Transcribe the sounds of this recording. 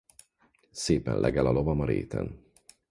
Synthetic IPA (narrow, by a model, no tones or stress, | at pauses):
seːpɛnlʔɛɡɛlɒlovɒmɒɾḛːt̪ʰɛ̰n